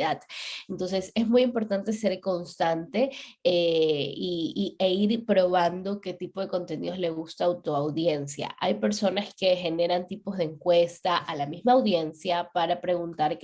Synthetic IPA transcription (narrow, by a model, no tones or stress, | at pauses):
ðaðent̪o̞nse̞se̞zmujimpo̞ɾt̪ant̪e̞se̞ɾko̞nst̪ant̪e̞eiːeiɾpɾo̞β̞and̪o̞ke̞t̪ipo̞ð̞e̞ko̞nt̪e̞nḭðo̞zle̞ɣust̪aːwt̪oawðje̞nsja̰ʔajpe̞ɾso̞naske̞xe̞ne̞ɾant̪ipo̞zðeŋkwe̞st̪aʔalamizmaːwðje̞nsjapaɾapɾe̞ɣunt̪aɾ